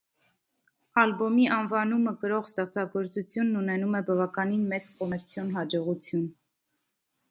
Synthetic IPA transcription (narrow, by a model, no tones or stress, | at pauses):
ɑlbɔmiʔɑnvɑnuməkəɾɔʁst̪ɛχt͡sʰɑɡɔɾt͡sut͡sʰjunːunɛnumɛbɑvɑkɑninmɛt͡skɔmɛɾt͡sʰjɔnɦɑd͡ʒɔʁut͡sʰjun